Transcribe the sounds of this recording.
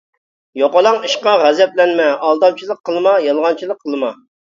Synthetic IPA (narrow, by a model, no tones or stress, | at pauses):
joqɑlˠɑŋiʃqɑʁæzɛp̚lɛnmɛɑlˠd̪ɑmt͡ʃʰilˠəqʰːəlˠɨmɑjɑlˠʁɑnt͡ʃʰilˠəqʰːəlˠɨmɑ